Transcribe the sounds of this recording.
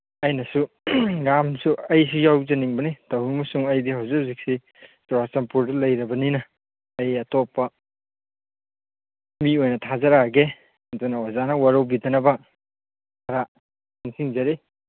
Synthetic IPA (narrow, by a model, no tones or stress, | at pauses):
ɐjnɐsu | ɡamsuɐjs̬ujawzɐniŋbɐnitɐwimɐsuŋɐjdihawzik̚hawzik̚si | sɔɾasɐmpuɾdɐlɐjɾɐbɐninɐ | ɐjɐtopːɐ | miojnɐtʰazɐɾaɡe | ɐdunɐwazanɐwaɾɐwbidɐnɐbɐ | ɐɾa | naŋsiŋzɐɾe